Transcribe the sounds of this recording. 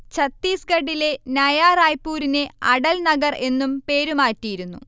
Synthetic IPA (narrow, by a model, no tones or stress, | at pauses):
t͡ɕɐt̪ːiːsɡɐɖile̞nɐjaːraːjpːuːɾine̞ɐɽɐlnɐɡɐre̞nːumpe̞ːɾumaːtːijiɾunːṵ